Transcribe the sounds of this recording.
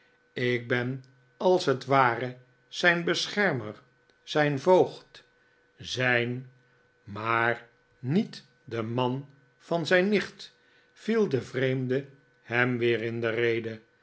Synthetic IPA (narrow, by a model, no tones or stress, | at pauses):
ɪk̚bɛn | ɑlˠsɦətʋaːrə | z̥ɛjnbəsχɛɹməɹ | z̥ɛjnvowχt | zɛjn | maːr | nit | dəmɑn | v̥ɑnzɛjnːɪχt | v̥ilˠdəvrejmdə | hɛmʋɪːrɪndərejdə